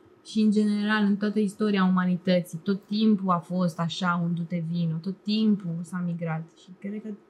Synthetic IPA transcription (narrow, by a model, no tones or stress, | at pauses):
ʃiɨnd͡ʒe̞ne̞ɾalɨnt̪oat̪əist̪o̞ɾiaumanit̪ət̪sit̪o̞t̪ːimpuafo̞st̪aʃaund̪ut̪e̞vinut̪o̞t̪ːimpusamiɡɾat̪ʃikɾed̪kə